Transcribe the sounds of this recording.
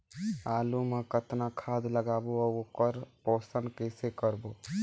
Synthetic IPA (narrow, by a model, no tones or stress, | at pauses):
aːlumə̃kət̪nakʰaːd̪ləɡaːboɔːoːkəɾpɔːsəɳkɛːsekəɾboː